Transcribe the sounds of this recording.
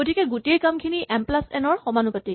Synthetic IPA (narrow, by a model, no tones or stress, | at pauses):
ɡotʰikɛɡutejkamkʰiniʔɛmplasɛ̰nɔɹxɔmanupati